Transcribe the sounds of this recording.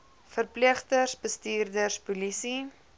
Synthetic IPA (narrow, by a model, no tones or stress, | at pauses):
fərpliəχtərsbəstiːrdərspulisi